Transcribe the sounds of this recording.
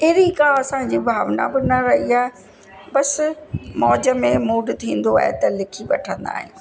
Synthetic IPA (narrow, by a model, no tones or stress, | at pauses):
ɪɾikãɐsãd͡ʑiːbʱaːʋna̰bɪnɐɾɐɦiaːɦe | bɐsmɔːd͡ʑəmẽmuːɖt̪ʰĩːn̆d̪oa̰ːɦḛt̪ɐlɪkʰiʋɐʈʰə̃nd̪a̰ːɦḭ̃ũ